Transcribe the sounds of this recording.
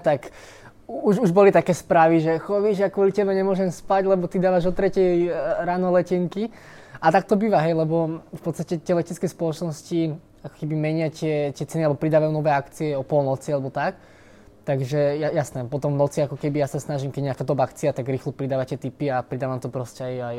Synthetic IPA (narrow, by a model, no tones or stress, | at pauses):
t̪ak | uʒuʒbɔlit̪akɛːspɾaːʋiʒɛxɔʋiʒakwʊɔlicɛbɛɲɛmʊɔʒɛmspaɟlɛbɔt̪id̪aːʋaʒɔt̪ɾɛcɛjɾaːnɔlɛcɛŋki | at̪ak̚t̪ɔbiːʋaɦɛjlɛbɔfpɔt̪st̪acɛt̪ɪɛlɛcɛt͡skɛspɔlɔt͡ʃnɔsci | akɔ̥kɛbimɛɲɪatɪɛt̪ɪɛt͡sɛnialɛbɔpɾid̪aːʋajunɔʋɛːakt͡siɛɔpɔlnɔt͡sialɛbɔt̪ak | t̪aɡʒɛjajasnɛpɔt̪ɔmvnɔt͡siakɔkɛbijasasnaʒimkɛɟɲakaːd̪ɔbaakt͡siat̪aɡɾiːxlɔpɾid̪aːʋatɪɛt̪ipiapɾid̪aːʋamt̪ɔpɾɔscɛajaj